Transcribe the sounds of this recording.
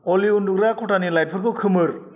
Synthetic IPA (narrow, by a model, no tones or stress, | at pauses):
oliunduɡɾakʰoʈanilaj̚pʰʌrkokʰɯmɯr